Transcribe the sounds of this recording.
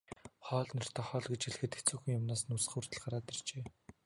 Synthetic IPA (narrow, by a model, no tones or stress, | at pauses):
χɔːɮnɔr̥t̪ʰɔːχɔːɮɡet͡ɕxeɮxɘ̆t̪et͡suːxŭŋjʊmnaːsnus̆χur̥t̪ə̆ɮɢaɾaːt̪ert͡ɕeː